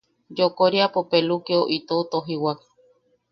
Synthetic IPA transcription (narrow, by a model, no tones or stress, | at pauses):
d͡ʒokoɾiapopelukeoʔit̪ot̪oɦiwak